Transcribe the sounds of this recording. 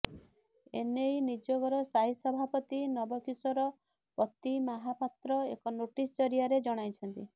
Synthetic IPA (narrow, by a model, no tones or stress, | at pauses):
enejnid͡ʒɔɡɔɾɔsaɦisɔbʱapɔt̪inɔbɔkisɔɾɔ | pɔt̪imaɦapat̪ɾɔekɔnoʈist͡ʃɔɾiaɾed͡ʒɔɽ̃ajt͡ʃʰɔnt̪i